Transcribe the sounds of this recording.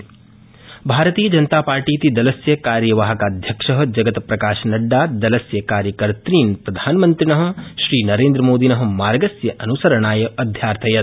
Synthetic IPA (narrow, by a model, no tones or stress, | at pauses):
bʱaːɾɐt̪iːjɐd͡ʒɐnɐt̪aːpaːɾʈiːt̪id̪ɐlɐsjɐkaːɾjɐʋaːɦɐkaːd̪ʱjɐkʂɐɦɐ̆d͡ʒɐɡɐt̪pɾɐkaːʃɐnɐɖːaːd̪ɐlɐsjɐkaːɾjɐkɐɾt̪ɾiːnpɾɐd̪ʱaːnmɐnt̪ɾinɐɦɐ̆ʃɾiːnɐɾeːnd̪ɾɐmoːd̪inɐɦɐ̆maːɾɡɐsjɐʔɐnusɐɾɐɳaːjɐʔɐd̪ʱjaːɾt̪ʰɐjɐt̪